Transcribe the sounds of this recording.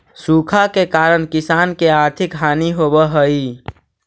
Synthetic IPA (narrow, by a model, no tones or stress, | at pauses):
sukʰakekaɾənkisankeaɾt̪ʰikɦaːniɦobəɦəi